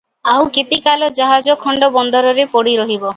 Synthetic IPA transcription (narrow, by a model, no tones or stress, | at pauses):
awket̪ikalɔd͡ʒaɦad͡ʒɔkʰːɔɳɖɔbɔnd̪ɔɾɔɾepɔɽiɾɔɦibɔ